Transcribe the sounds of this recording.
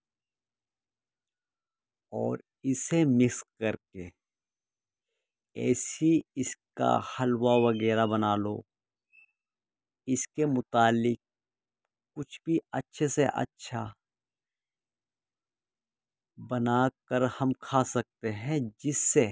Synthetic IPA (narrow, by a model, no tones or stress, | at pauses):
ɔːɾ | ɪsemɪkskɐɾke | ɛ̰ːsiɪska̰hɐlwaʋɐɡɛːɾabɐnaːloː | ɪskemʊt̪aːlɪk̚ | kʊt͡ʃʰbʱiɐ̰tːʃʰeseʔɐ̰tːʃʰa | bɐnaːkəɾhɐmkʰaːsɐk̚t̪eɦɛ̃d͡ʒɪsːe